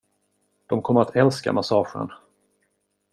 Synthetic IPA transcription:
d̪̥ɔmkʰɔmːəɾat̪ʰɛlska̰masɑːɧə̰n

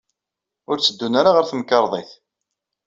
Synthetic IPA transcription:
ʊɾt͡sːəd̪ːunaɾaʁəɾθəməkːɑɾˤðˤeθ

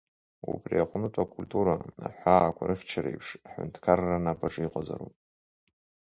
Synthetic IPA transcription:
upʰʼriaχʷnɨtʼakʰʼultʰʼuɾaa̰ħʷaːkʷʰaɾʔɨft͡ʃʰaɾejpʰʂaħʊ̰ntʰkʰarːanapʰʼaʈ͡ʂʼɨiqʷʼazaɾupʼ

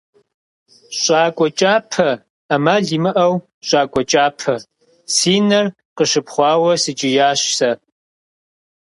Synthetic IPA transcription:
ɕʼaːkʷʼɔt͡ʃʼaːpʰɐ | amaːɮimɨʔɐw | ɕʼaːkʷʼɔt͡ʃʼaːpʰɐ | siːnɐr | qəʃɨpχʷɑːwɐsɨt͡ʃʼɪjaːɕsɐ

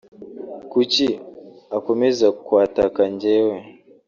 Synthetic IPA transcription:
kuciako̞mezakwaːtakaɲɟewe

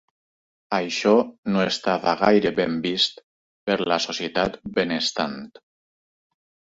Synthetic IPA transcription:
ajʃɔnoest̪aβaɣajɾeβembist̪ | peɾlasosjet̪at̪benest̪a̰nt̪

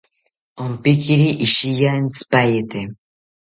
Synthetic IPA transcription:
ompikiɾiʔiʃijaent͡sɨ̥pajet̪e

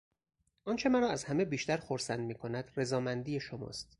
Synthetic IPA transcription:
ʔɒːnt͡ʃʰe̞mæɾɒːæzhæme̞biːʃt̪æɾxoɾsænd̪miːkʰo̞næd̪̥re̞zɒːmænd̪iːjeʃomɒ̰ːst̪

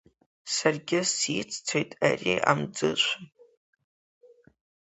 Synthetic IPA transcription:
sarɡʲɪsit͡sʰʼt͡sʰojtʼa̰ria̰md͡zɨʃʷʰa

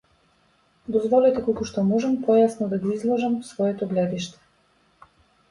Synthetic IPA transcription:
d̪ɔzvɔlɛt̪ɛkokuʃt̪ɔmɔʒampɔjasnɔd̪aɡiizlˠɔʒamsvɔɛt̪ɔɡlɛd̪iʃt̪ɛ̥

